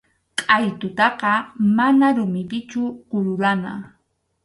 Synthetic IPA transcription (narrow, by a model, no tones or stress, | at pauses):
qʼajt̪ʊt̪ɑqɑmanaɾʊmɪpɪt͡ʃʊqʊɾʊɾana̰